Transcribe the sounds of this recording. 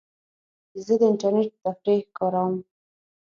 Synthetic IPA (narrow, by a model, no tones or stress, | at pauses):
zəd̪əɪɳʈaɾneʈ̚t̪afɾixkɑɾawəm